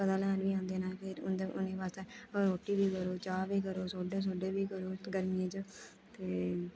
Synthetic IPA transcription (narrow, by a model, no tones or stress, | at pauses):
pəd̪aːlɛːnʋiːãːnd̪eːnaːpɪɾʊnd̪eʔʊ̰neːʋaːst̪eoːɾoːʈːiːbiːkəɾoːt͡ʃaːʋiːkəɾoːsoːɖeːs̬oːɖeːʋiːkəɾoːɡəɾmiẽːd͡ʒ | t̪eː